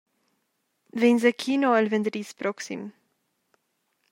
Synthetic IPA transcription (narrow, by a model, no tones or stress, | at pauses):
vɛnzəkʰiːnoɛlvɛnd̪ɾiːspɾɔksḭm